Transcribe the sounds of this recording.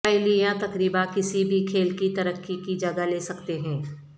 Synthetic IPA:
ɛɪlijãt̪ɐkɾiːbakɪsibʱikʰeːlkit̪ɐɾəkːikid͡ʒɐɡaleːsɐkt̪eɦɛ̃ː

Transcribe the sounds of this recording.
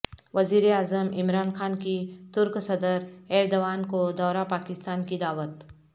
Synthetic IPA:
ʋɐziːɾeaːzəmɪmɾaːnxaːnkit̪ʊɾksɐd̪əɾɛːɾd̪oʋaːnkod̪ɔːɾapaːkɪst̪aːnkid̪aːwət̪

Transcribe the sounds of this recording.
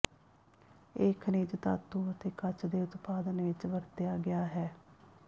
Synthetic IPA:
ɪkʰneːd͡ʒt̪a̰ːt̪ːuːət̪eːkət͡ʃd̪eːʊt̪paːd̪ənʋɪt͡ʃʋəɾt̪ejaːɡɪjaːɦɛː

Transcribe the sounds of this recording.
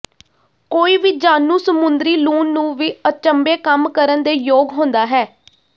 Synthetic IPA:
koːiːʋiːd͡ʒaːnũːsəmʊnd̪ɾiːlũːnːũːʋiːət͡ʃəmbeːkəmkəɾənd̪eːjoːɡɦõnd̪aːɦɛː

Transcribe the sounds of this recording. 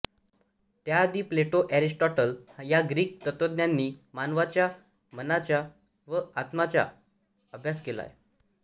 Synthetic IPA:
t̪jad̪iːpleʈoʔæɾisʈɔʈəljaɡɾiːk̚t̪ət̪od̪njanːiːmanʋat͡ɕja | mənat͡ɕja | ʋəat̪mat͡ɕja̰ | əbʱjaskela̰j

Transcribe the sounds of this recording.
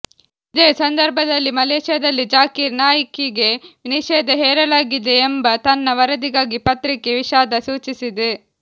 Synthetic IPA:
id̪eːsɐnd̪ɐɾbʱɐd̪ɐlːimɐleːʃjɐd̪ɐlːid͡ʒaːkiɾnaːjɐkiɡe̞ʋniʃɛːd̪ɐɦɛːɾɐlaːɡid̪eːmbɐt̪ɐnːɐʋɐɾɐd̪iɡaːɡipɐt̪ɾikːeʋiʃaːd̪ɐsuːt͡ʃisid̪e

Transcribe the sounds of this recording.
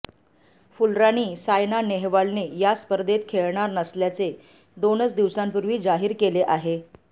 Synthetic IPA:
fulɾañiːsajnaneɦʋaɭnejaspəɾd̪ʱet̪̚kʰeɭɳaɾnəsljat͡se | d̪onət͡sd̪iʋsampuɾʋiːd͡zaɦiːɾkeleʔaɦe

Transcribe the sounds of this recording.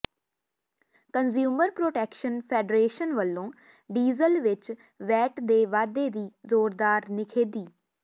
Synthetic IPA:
kənzjuːməɾpɾoːʈɛːkʃənpʰɛːɖɾeːʃənʋəlːõː | ɖiːzəlʋɪt͡ʃ | ʋɛːʈd̪eːʋaːd̪eːd̪iːzoːɾd̪aːɾnɪkʰeːd̪iː

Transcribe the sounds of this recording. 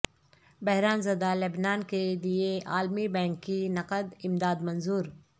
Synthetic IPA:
bɐɦɾaːnzɐd̪aːlɐbnaːnked̪ieʔaːlmibɛ̃ːŋkːinɐqəd̪ɪmd̪aːd̪mɐnzuːɾ

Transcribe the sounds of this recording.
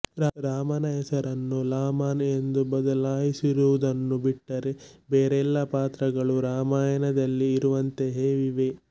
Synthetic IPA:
ɾɾaːmɐnɐɦɛsɐɾɐnːulaːmaːne̞nd̪ubɐd̪ɐlaːjisiɾuʋud̪ɐnːubiʈːɐɾebeːɾɛlːɐpaːt̪ɾɐɡɐɭuɾaːmaːjɐnɐd̪ɐlːiːɾuʋɐnt̪e̞ɦeːʋiʋe̞

